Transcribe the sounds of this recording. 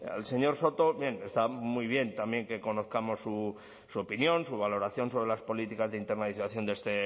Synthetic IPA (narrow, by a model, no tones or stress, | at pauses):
ḛlse̞ɲo̞ɾso̞t̪o̞bje̞ne̞st̪amujβ̞je̞nt̪amje̞ŋke̞ko̞no̞θkamo̞sːu | suopinjo̞nsuβ̞alo̞ɾaθjõ̞nso̞β̞ɾe̞laspo̞lit̪ikazðeint̪e̞ɾnaðiθaθjo̞nd̪est̪e̞